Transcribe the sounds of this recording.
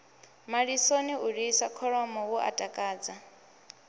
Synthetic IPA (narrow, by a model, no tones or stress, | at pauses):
maɺisoniuɺisakʰɔɺɔmɔwuʔa̰tʼakʼaːd͡za